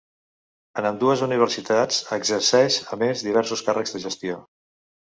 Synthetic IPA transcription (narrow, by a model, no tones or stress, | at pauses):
ənəmd̪uəzuniβ̞əɾsit̪at͡səɡzəɾsɛʃəmezðiβ̞ɛɾsuskarəɡzðəʒəst̪io